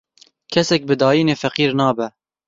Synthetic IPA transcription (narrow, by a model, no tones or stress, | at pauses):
kʰɛsɛk̚bɨd̪ɑːjiːneːfɛqiːɾnɑːbɛ